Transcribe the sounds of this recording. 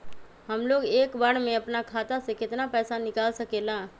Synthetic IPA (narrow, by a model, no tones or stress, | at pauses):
ɦɐmloːɡeːkbəɽmẽɐpnakʰaːt̪asekɪt̪napɛːsanɪkaːlsɐkeːlãː